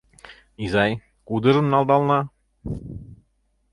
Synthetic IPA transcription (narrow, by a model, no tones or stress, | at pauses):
izɑj | kud̪ɤ̆ʐɤ̆nːɑlˠd̪ɑlˠnɑ